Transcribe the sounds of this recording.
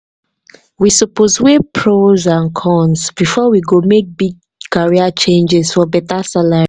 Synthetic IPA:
wisɔposwepʰɹozãnkʰɔ̃nsbifɔwiɡomek̚biɡ̚ | kaɹiat͡ʃẽnd͡ʒɛzfɔbɛtasalaɹ

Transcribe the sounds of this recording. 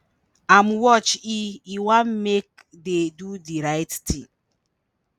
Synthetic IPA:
amwɔt͡ʃiiwammek̚ | dedudiɾaɪttʰĩŋ

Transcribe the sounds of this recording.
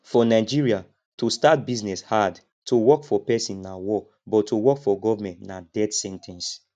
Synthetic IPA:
fɔnaɪd͡ʒiɹia | tostat̚biznɛshad | tʰowɔkfɔpɛsĩnːawɔ | bɔtʰːowɔkfɔɡɔvamɛ̃ntnadɛdsɛ̃ntʰɛ̃ns

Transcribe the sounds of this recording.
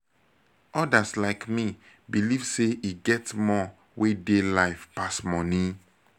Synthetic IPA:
ʔɔdaslaɪkmi | bilivseiɡɛtmɔ | wedelaɪfpasmɔnĩ

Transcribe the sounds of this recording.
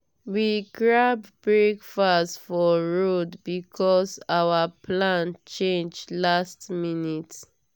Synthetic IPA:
wiɡɹabbɹekfastfɔɹodbikʰɔsawapʰlãnt͡ʃẽnd͡ʒlastminit

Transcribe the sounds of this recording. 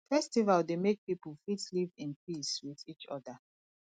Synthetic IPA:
fɛstivaldemek̚pipəlˠfitlivĩnpiswiðit͡ʃɔ̰da

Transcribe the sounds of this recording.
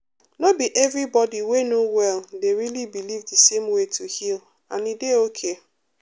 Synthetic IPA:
nobiʔɛvɾibɔdiwenowɛldeɾilibilivdisemwetʰuhil | ã̰nideokʰe

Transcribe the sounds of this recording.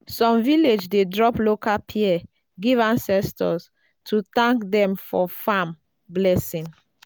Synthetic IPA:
sɔ̃mviled͡ʒdedɹɔplokapʰiɛ | ɡivãnsɛstʰɔs | tʰut̪ãŋkdɛ̃mfɔfãm | blɛsĩŋ

